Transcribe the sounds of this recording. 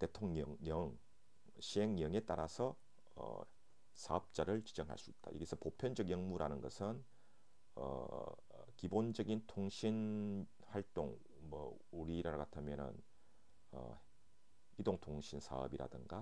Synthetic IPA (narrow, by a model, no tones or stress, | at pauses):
te̞tʰoŋɲʌŋɲʌŋ | ɕʰiɦeŋjʌŋe̞t͈aɾasʰʌ | ʌ̰ | sʰaʌp̚t͡ɕ͈aɾɯɭt͡ɕi̥d͡ʑʌŋɦa̰ɭs͈uit̚t͈a̰jʌ̰ɡisʰʌpopʰjʌnd͡ʑʌkjʌŋmuɾanɯnɡʌ̰sʰɯn | ʌ̰ | kibond͡ʑʌɡintʰoŋɕʰin | haɭt͈oŋ | mʌ | uɾiːɾaɾakatʰamjʌnɯ̰n | ʌ̰ | idoŋtʰoŋɕʰinsʰa̰ʌ̰biɾa̰dɯŋɡa